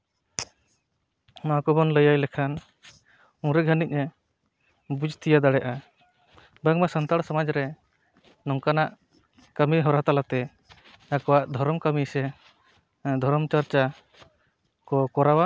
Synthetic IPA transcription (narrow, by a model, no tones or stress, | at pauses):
makɔbɔnləjajlɛkʰan | ũɾɛɡʱənic̚ˀɛ | bud͡ʒt̪ʰijad̪aɽɛʔa | baŋmasant̪aɽsɔmad͡ʒɾɛ | nɔŋkanaʔ | kəmiɦɔɾat̪alat̪ɛ | akɔwaʔd̪ʱɔɾɔmkəmisɛ | d̪ʱɔɾɔmt͡ʃaɾt͡ʃa | kɔkɔɾawa